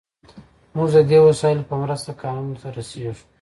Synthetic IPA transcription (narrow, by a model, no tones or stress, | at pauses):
muʒd̪əd̪ewasɑɪlpəmɾəst̪akɑnuunt̪aɾaseʒeʃu̥